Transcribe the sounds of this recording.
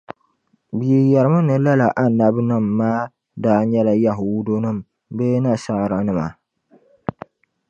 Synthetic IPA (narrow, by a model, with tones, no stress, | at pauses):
bi˨e˨jɛ˨ɾɨ˨ma˦nɨ˨la˦la˨ʔa˦nː˨a˦bɨ˦nɨ˦mː˨aː˦ | daː˦ɲɛ˦la˨ja˦ɦʊ˨wdo˦nɨ˦˨m | be˦na˦sa˦˨ɾa˨˦nɨ˦˨ma̰˨